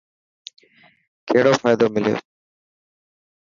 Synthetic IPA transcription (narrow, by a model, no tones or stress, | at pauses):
kʰeːɽoːfaːjd̪oːmɪlɪjo̰ː